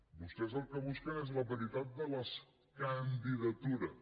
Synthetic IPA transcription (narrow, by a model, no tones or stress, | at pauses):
bust̪ɛzəlˠkəβuskənezləβəɾit̪at̪̚d̪ələs | kənd̪iðət̪uɾə